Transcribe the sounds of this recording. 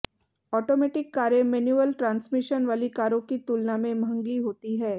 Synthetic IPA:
ɔːʈoːmeːʈɪkːaːɾemɛːnjuːəlʈɾãːnsmɪʃənʋaːlikaːɾõkit̪uːlnamẽmʱɐ̃ŋɡiɦoːt̪iɦɛː

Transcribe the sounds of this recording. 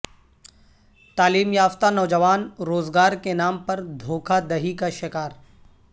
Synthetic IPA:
t̪aːliːmjaːft̪anɔʋd͡ʒəʋaːnɾoːzɡaːɾkenaːmpɐɾd̪ʱoːkʰad̪ɐɦikaʃɪkaːɾ

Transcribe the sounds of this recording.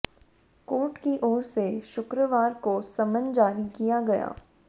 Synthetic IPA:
koːʈkiʔɔːɾseʃʊkɾəʋaːɾkosɐmənd͡ʒaːɾikijaɡɐja̰ː

